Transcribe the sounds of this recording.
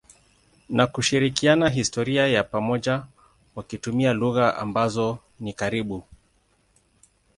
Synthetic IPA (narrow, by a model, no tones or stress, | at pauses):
nakuʃiɾikianaɦistɔɾiajapamɔʄa | wakitumialuɣaʔa̰mbazɔ | nikaɾiɓu